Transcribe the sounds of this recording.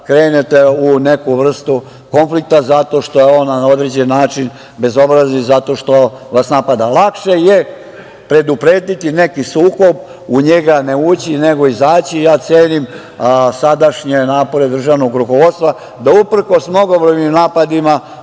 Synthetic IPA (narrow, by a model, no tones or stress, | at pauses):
kɾe̞ːnet̪eune̞kuʋr̩st̪u | ko̞nflik̚t̪azat̪o̞ːʃt̪o̞jeonao̞d̪ɾed͡ʑenːaːt͡ʃin | be̞zo̞bɾaznizat̪o̞ʃt̪o̞ʋasnapad̪alˠakʃe̞je̞ | pɾe̞d̪upɾeːd̪it̪ine̞kisuːko̞b | uɲe̞ɡane̞ut͡ɕine̞ɡo̞izaːt͡ɕijaːt̪sʲjeːnim | sad̪aʃɲenaːpo̞ɾe̞d̪r̩ʒaʋno̞ɡɾuko̞ʋo̞d̪t̪st̪ʋa | d̪aupr̩ko̞smno̞ɡo̞bɾojɲimnaːpad̪ima